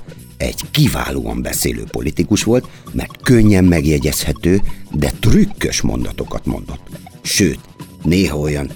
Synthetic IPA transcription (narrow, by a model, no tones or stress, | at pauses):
ɛ̰ɟkiva̰ːloːɒ̰mbɛseːlø̰ːpo̞̰lit̪ikuʃʋo̞lt̪mɛ̰rt̪køɲːɛmːɛɡjɛɟɛshɛt̪øːd̪ɛt̪rykːøʃmo̞̰n̪d̪ɒt̪o̞kɒt̪mo̞̰nd̪o̞t̪ː | ʃøːt̪neːɦɒo̞jɒn